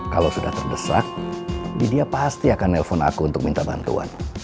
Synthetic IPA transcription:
kalawsuda̰ht̪ərbəsa̰k̚bḭdiapast̪iakanːeləfɔna̰kuːnt̪ʊk̚mint̪aba̰nt̪ṵa̰n

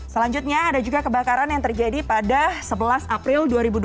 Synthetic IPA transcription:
səlaɲd͡ʒut̪̚ɲaːdad͡ʒuɡakəbakaɾanjaŋt̪ərd͡ʒadipadasəbəlasapɾɪlduaɾibud

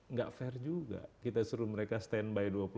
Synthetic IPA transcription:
ŋɡa̰ʔfɛrd͡ʒuɡa̰kit̪asəɾuməɾekast̪ɛnbajduapu

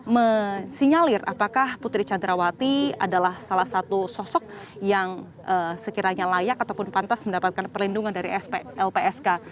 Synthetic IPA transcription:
məsiɲalɪra̰pakahput̪ɾit͡ʃandɾawat̪ia̰dalahsalahsat̪usɔsɔk̚ | jaŋ | ʔəsəkiɾaɲalajakat̪awpʊnpant̪asməndapat̪̚kanpərlinduŋandaɾisɛlpeɛska

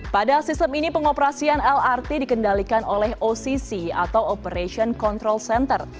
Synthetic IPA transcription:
padasist̪əminipəŋopəɾasianɛlart̪idikəndalikanolɛhosisia̰t̪awopəɾeʃiɔnkɔnt̪ɾɔlsɛnt̪ər

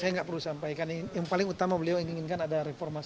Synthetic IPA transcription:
sajaŋɡaʔpərlusampajkanaŋjaŋpalɪŋut̪amabəliawaŋiŋɪnkanadaɾefɔrma

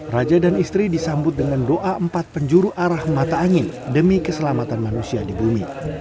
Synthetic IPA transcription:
rad͡ʒadanist̪ɾidisambʊt̪̚dəŋandoʔaəmpat̪̚pəɲd͡ʒuɾuʔaɾahmat̪aːŋɪn | dəmikəsəlamat̪anmanusiadibumi

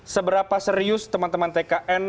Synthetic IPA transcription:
səbəɾapasəɾiʊst̪əmant̪əmant̪ekaʔɛn

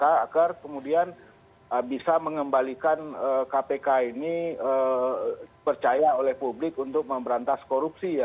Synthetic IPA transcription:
kaakarkəmudian | əbisaməŋəmbalikanəkapekainiə | pərt͡ʃajaolɛhpublɪkunt̪ʊk̚məmbəɾant̪askoɾup̚sija

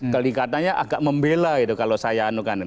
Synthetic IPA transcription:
t̪əliŋkat̪anɲaʔaɡaʔməmbelait̪ukalosajaːnukan

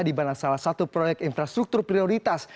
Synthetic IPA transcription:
dibanasalahsat̪upɾojɛk̚t̪infɾast̪ɾuk̚t̪ʊrpɾioɾit̪as

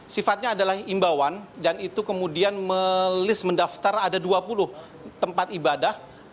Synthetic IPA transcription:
sifat̪̚ɲaːdalahimbawandanit̪ukəmudianməlɪsməndaft̪aradaduapulʊh | t̪əmpat̪ibadah

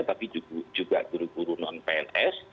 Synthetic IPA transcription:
t̪apid͡ʒud͡ʒuɡaʔd̪̥uɾukuɾunanpeɛnɛs

